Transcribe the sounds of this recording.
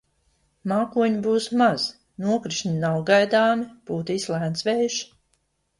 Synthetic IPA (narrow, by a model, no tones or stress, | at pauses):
maːkuɔɲibuːsmaz̥ | nuɔkɾiʃɲʲinawɡajd̪aːmipuːt̪ːislˠæːnsʋɛːjʃ